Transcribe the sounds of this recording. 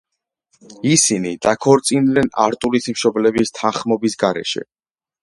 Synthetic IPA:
isinid̪̥akʰɔɾt̪sʼinlɛna̰ɾt̪ʼulit̪ʰmʃɔblɛbist̪ʰãχmɔbisɡaɾɛ̰ʃɛ̰

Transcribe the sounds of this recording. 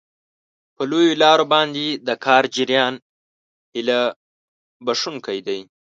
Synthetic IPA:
pəlojolɑɾobɑnd̪ed̪əkʰɑːɾd͡ʒɪɾjɑn | hɪla | baʂuŋkajd̪aj

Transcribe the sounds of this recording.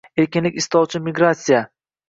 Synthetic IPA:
e̞ɾkʲɪnlɪkʲɪst̪ɒwt͡ʃʰɪmɪɡɾat̪sija

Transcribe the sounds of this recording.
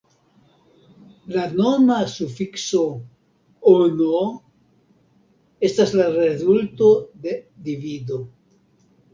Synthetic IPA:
lanomasufikso̞ | ono | e̞staslaɾezulto̞d̪e̞d̪ivido

